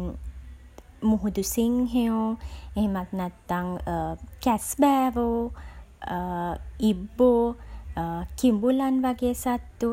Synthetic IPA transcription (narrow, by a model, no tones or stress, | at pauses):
muɦud̪usiŋɦeoeɦemat̪nat̪ːaŋəkɛsbɛːɾo | ibːo | kimbulanʋaɡeːsat̪ːu